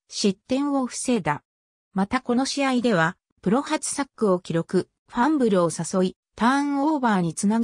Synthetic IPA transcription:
ɕit̪ːẽ̞ɰ̃βo̞ɸɯ̟̥se̞ːd̪a | mat̪ako̞no̞ɕiaid̪e̞β̞a | pɯ̟ɾo̞hat͡sɨ̥sakːɯ̟o̞kʲiɾo̞kɯ̟ | ɸãmbɯ̟ɾɯ̟o̞saso̞i | t̪aɰ̃o̞ːbaːɲ̟it͡sɨnaɡ

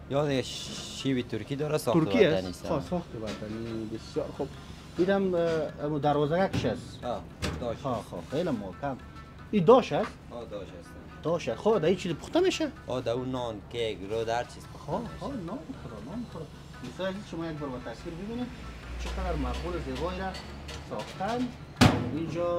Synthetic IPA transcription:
jɔd̪ɪɡaʃiwit̪ʊɾkid̪ɔɾasɔʊɾkiaanisɔsɔxt̪ɪbad̪anibɪsjɔɾxub | id̪amamud̪aɾwɔːzaɡakɪʃas | ɔ | d̪xɔxɔ̰xelamɔkam | id̪ɔʃas | ɔd̪ɔʃas | d̪̥ɔʃasxod̪ait͡ʃʰizpʰʊ̥xt̪ameːʃaɔd̪aunɔnkeɡɾod̪aɾt͡ʃʰiz̥xoxɔnɔmkʰɔɾɔnɔmxʊɾɔ | mɪsaɾazizʃʊmɔjak̚bɔɾbat̪aswiɾbɪbined | t͡ʃʰɪqad̪aɾmaqulɪzebɔjɾa | sɔxt̪and̪ | ind͡ʒɔ

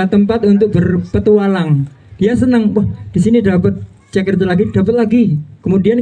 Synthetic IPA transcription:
at̪əmpat̪unt̪ʊk̚bərpət̪ualaŋd̥iasənəŋwahd̥isinidapət̪̚ | t͡ʃəkərt̪laɡid̥apət̪̚laɡikəmudian

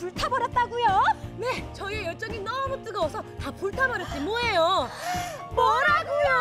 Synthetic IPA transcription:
puɭtʰabʌɾjʌt̚t͈aɡujone̞t͡ɕʌiejʌɭt͡ɕ͈ʌŋinʌmut͈ɯɡʌwʌsʰʌtapuɭtʰabʌɾjʌt̚t͡ɕ͈imʌejo | mwʌɾaɡujo

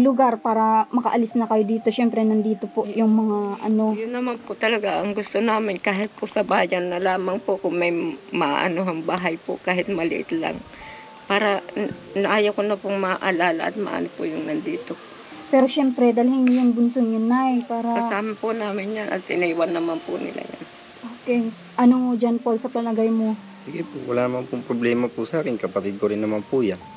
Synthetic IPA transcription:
lʊɡaɾpaːɾɐmɐkɐʔɐlɪsnɐkɐjod̪iːt̪o̞ʃɛmpɾɛnɐnd̪iːt̪o̞poʔjʊŋmɐŋaʔɐno̞jʊnːɐmanpʊt̪ɐlɐɡaʔɐŋɡʊst̪onaːmɪnkaːɦɪt̪̚pʊsɐbaːjɐnːɐlaːmɐŋpoʔkʊŋmɐjmɐʔa̰ʔɐ̰noɦɐŋbaːɦɐjpo̰ʔkaːɦɪt̪̚mɐlɪ̰ʔɪ̰t̪la̰ŋ | paːɾɐnɐʔaːjɐwkonɐpʊŋmɐʔɐlaːla̰ʔɐ̰t̪̚mɐ̰ʔa̰ːnopʊjʊŋnɐnd̪iːt̪o | pɛːɾoʃɛmpɾɛd̪ɐlhɪnjʊŋbʊnsoŋɲʊnːajpaːɾɐkɐsaːmɐpʊnaːmɪnjanʔɐ̰t̪ɪnɐiːwanːɐmanpʊnɪ̰lʔa̰ja̰n | ʔoːkɛ | ʔɐnoŋod͡ʒɐnposɐpɐlɐɡajmo | siɡɪpowɐlaːnɐmanpʊŋpɾoblɛːmɐpʊsaːkɪnkɐpɐt̪ɪd̪̚koɾɪnːɐmanpʊjan

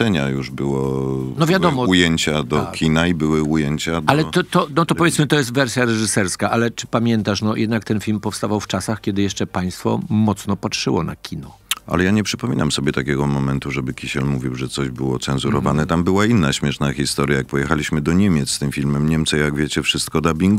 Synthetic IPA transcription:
ɛɲajuʐbɘwɔnɔvʲjad̪ɔmɔujɛɲt͡ɕad̪ɔkʲinaibɘwɘujeɲt͡ɕad̪alɛt̪ɔt̪ɔnɔt̪ɔpɔvʲjɛsmɘt̪ɔjɛst̪vɛɾsʲjaɾɛʐɘsɛɾskaʔalɛt͡ʂɘ̥pamʲjɛnt̪aʂnɔjɛd̪̚nak̚t̪ɛnfʲilmpɔfst̪avawft͡ʂasaxkʲɛd̪ɘjɛʂt͡ʂɛpaj̃st̪fɔ̰mɔt̪snɔpatʂɘwɔ̰na̰kʲinɔʔa̰lɛjaɲɛpʂɘpɔmʲinamsɔbʲjɛt̪akʲɛɡɔmɔmɛnt̪uʐɛbɘkʲiɕɛlmuvʲiwʐɛt̪sɔʑbɘwɔt̪sɛnzuɾɔvanɛt̪ambɘwainːaɕmʲjɛʂnaxʲist̪ɔɾjajak̚pɔjɛxalʲiɕmɘd̪ɔɲɛmʲjɛt̪sst̪ɘmfʲilmɛmɲɛmt̪sɛjaɡvʲjet͡ɕɛfʂɘst̪̚kɔd̪abʲiŋɡ

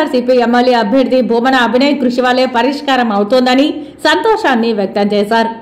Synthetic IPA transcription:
aːɾsiːpiemːɐlːiɐbʱjɐɾud̪ʱibʱuːmɐnɐːbʱinɐjkɾuʂiʋaːleːpɐɾiʂkaːɾɐmɐwut̪ond̪ɐni | sɐnt̪ɔːʂaːnːiʋjɐk̚t̪ɐmt͡ʃɛːsaːɾ

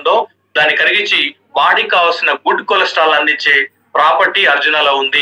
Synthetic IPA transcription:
nd̪o̞ː | d̪aːnːikɐɾiɡiɲt͡ʃːi | ʋaːɽikaːʋɐsinɐɡuɖkolɐsʈaːlɐnd̪iɲt͡ʃːeː | pɾaːpɐɾʈiɐɾd͡ʒunɐloːund̪i

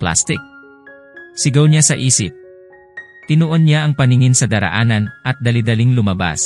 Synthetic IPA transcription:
pla̰st̪ɪk̚ | sɪɡawɲasɐʔisɪ̰p̚ | t̪ɪnuʔonɲaːŋpaniŋinsɐd̪aɾa̰ʔananʔɐt̪̚d̪alid̪aliŋlumaba̰s

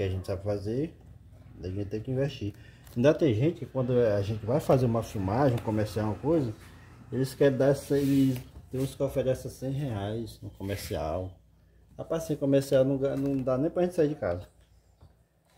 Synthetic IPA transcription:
kɪaʒẽt͡ʃ̪ɪ̥sabɪfazẽ | d̪ɐʒẽt̪t͡ʃɪt̪ẽj̃kɪĩveʃt͡ʃi | ĩd̪ɐ̃t̪ẽj̃ʒẽt͡ʃ̪ɪkɪkwɐ̃nd̪ʊaʒẽnt͡ʃɪvajfazeɾũmɐfumaʒẽũkõmɛɾsiawɐ̃kojzɐ | elɪskɛɾẽd̪aɾsẽt̪eɾũskɔfɛɾɛ̃sɐsẽj̃ɦɛajznʊkõmɛɾsia̰w | apasẽkõmɛɾsiawnɐ̃ɡanɐ̃w̃d̪anẽj̃pɾaʒẽtt͡ʃ̪ɪsaiɾd͡ʒɪkazɐ

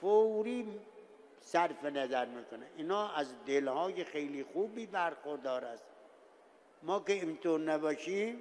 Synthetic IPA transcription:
fowɾiː | sæɾfenæzæɾmiːkonæʔiːnhɒːæzd̪elhɒːjexejliːxuːbiːbæɾxoɾd̪ɒːɾæst̪ | mɒːkeiːnt̪oːɾnæbɒːʃiːm

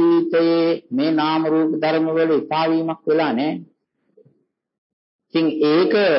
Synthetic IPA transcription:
iʋit̪əjeːmeːnaːməɾuːpəd̪aɾməʋəluit̪aːʋiːmakʋelaːnɛː | it̪iŋeːkə

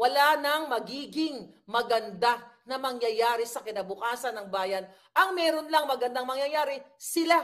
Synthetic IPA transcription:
wɐlanɐŋmɐɡiːɡɪŋmɐɡɐnd̪anɐmɐŋjɐjaːɾɪsɐkɪnɐbʊkaːsɐnːɐŋbaːjɐn | ʔɐŋmɛːɾo̞nlɐŋmɐɡɐnd̪aŋmɐŋjɐjaːɾɪsɪla

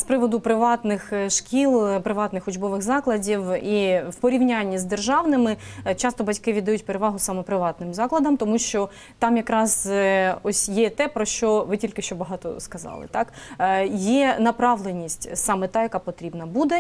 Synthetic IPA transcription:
spɾɪʋɔd̪ʊpɾɪʋɑt̪nɪxʃkʲilˠpɾɪʋɑt̪nɪxʊd͡ʒbɔʋɪxzɑklˠɐdʲiwiwpɔɾʲiʋnʲanʲːizd̪erʒɑʋnɪmɪt͡ʃɑst̪ɔbɐtʲkɪʋʲid̪ɐjutʲpeɾeʋɑɦʊsɑmɛpɾɪʋɑt̪nɪmzɑklˠɐd̪ɐmt̪ɔmuʃt͡ʃɔ | t̪ɑmjɐkɾɑzɔsʲjɛt̪ɛpɾɔʃt͡ʃɔʋɪtʲilʲkɪʃt͡ʃɔbɐɦɑt̪ɔ̰skɐzɑ̰lˠɪ̰t̪ɑkjɛnɐpɾɑʋlˠenʲːisʲtʲsɑmɛt̪ɑjɐkɑpɔt̪ɾʲibnɐbud̪ɛ

